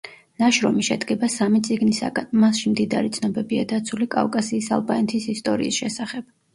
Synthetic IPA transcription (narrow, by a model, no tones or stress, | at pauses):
naʃɾɔmiʃɛd̪ɡɛbasamit̪sʼiɡnisa̰ɡanmasʃimd̪id̪aɾit̪sʰnɔbɛbiad̪at̪sʰulikʼa̰vkʼasiːsa̰lˠbanɛt̪ʰisist̪ʼɔɾḭːsʃɛsaχɛb̥